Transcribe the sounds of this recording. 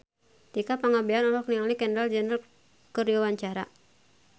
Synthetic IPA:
t̪ikapaŋabianɔlɔk̚niŋaliɡɛnɾald͡ʒɛnɾal | kɨriwawaɲt͡ʃaɾa̰

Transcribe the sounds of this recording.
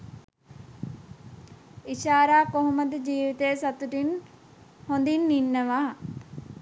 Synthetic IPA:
iʃaːɾaːkoɦuməd̪əd͡ʒiːʋit̪ejːsat̪uʈin | hond̪inːinːəʋaː

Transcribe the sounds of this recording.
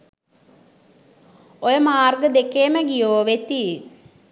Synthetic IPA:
ojɐmaːrɡɐd̪ekːeːmɐɡijoːʋet̪ːi

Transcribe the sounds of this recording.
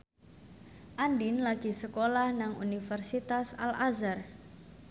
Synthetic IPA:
ʔandinlaɡ̥i̤səkolahnaŋṵnifərsit̪asa̰lazar

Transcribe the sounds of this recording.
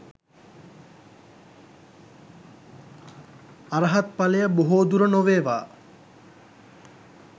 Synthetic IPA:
aɾəɦat̪̚palejəboɦoːd̪uɾənoʋeːʋaː

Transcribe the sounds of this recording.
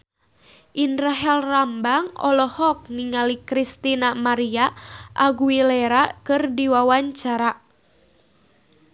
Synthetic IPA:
ʔindɾaɦɛlrambaŋɔ̰lɔhɔk̚niŋalikɾist̪inamaɾiaʔaɡuilɛɾakɨrdiwawaɲt͡ʃaɾa

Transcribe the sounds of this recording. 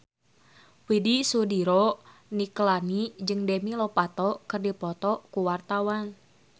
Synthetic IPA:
widisudiɾɔ | niklanid͡ʒɨŋdɛmilɔpat̪ɔkɨrdipɔt̪ɔkuwart̪awan

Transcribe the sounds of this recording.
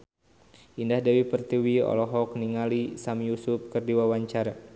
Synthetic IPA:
ʔindahdawipərt̪iwiɔ̰lɔɦɔk̚niŋalisamjusup̚kɨrdiwawaɲt͡ʃaɾa

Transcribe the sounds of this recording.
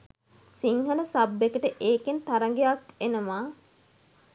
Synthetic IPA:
siŋɦələsabːekəʈəʔeːkent̪aɾəŋɡejakenəmaː

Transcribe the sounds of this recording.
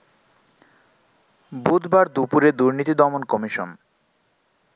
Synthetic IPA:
bud̪ʱbaɾd̪upuɾed̪uɾnit̪id̪ɔmonkɔmiʃo̰n

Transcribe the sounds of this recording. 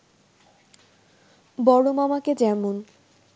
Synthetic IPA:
bɔɽomamaked͡ʑɛmun

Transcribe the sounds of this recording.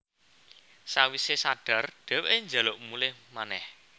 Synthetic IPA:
sawisesaɖ̥a̤rɖ̥ɛ̤weʔeɲd͡ʒa̤loʔmulɪhmanɛh

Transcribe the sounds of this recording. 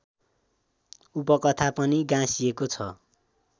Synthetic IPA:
upʌkʌt̪ʰapʌniɡãsiekot͡sʰʌ

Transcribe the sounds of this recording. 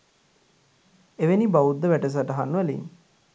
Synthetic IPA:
eʋenibaʋud̪ːəʋæʈəs̬aʈɐɦanːʋəlḭn

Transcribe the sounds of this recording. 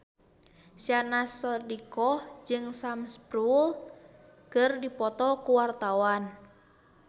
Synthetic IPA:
sianasɔdikɔhd͡ʒɨŋsamspɾul | kɨrdipɔt̪ɔkuwart̪awan

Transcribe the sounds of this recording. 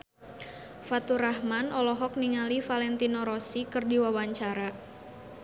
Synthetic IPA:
fat̪uɾaɦmanɔlɔɦɔk̚niŋalifalɛnt̪inɔɾɔsikɨrdiwawaɲt͡ʃaɾa

